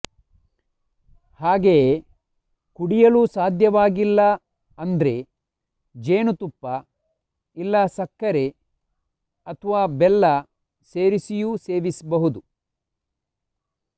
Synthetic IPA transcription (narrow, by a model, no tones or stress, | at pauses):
haːɡee | kuɽijɐluːsaːd̪ʱjɐʋaːɡilːɐ | ɐnd̪ɐɾe̞ | d͡ʒeːnut̪upːɐ | ilːɐsɐkːɐɾe̞ | ɐt̪ʰɐʋaːbɛlːɐ | se̞ːɾisijuse̞ːʋisbɐɦud̪u